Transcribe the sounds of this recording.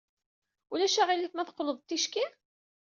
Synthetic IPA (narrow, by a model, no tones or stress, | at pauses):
ulæʃæʁilit̪mæθqləðˤt̪ːiʃki